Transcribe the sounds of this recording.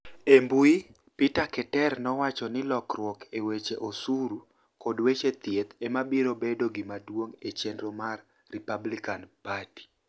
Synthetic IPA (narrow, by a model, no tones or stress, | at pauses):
embui | pitakɛtɛrnɔwat͡ʃɔnɪlɔkrwɔkewet͡ʃeʔosuɾu | kɔdwet͡ʃet̪jet̪emabiɾobedoɡɪmadwoŋet͡ʃendɾomarː | ipablikanpati̥